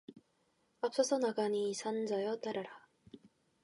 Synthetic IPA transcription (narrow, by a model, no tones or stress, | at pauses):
apsasonaɡanisand͡zajot̪aɾaɾa